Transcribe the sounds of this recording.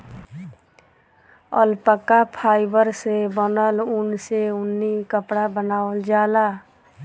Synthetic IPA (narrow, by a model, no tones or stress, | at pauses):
ə̰lpəkːapʰaːɪbəɾsebənəlʊnseʊnːikəpɽabənaːəld͡ʒaːla